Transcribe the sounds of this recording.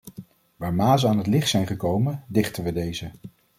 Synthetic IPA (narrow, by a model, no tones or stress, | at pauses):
ʋaːɹmaːzəaːnɦətlɪχtsɛjnχəkowməndɪχtənʋədejzə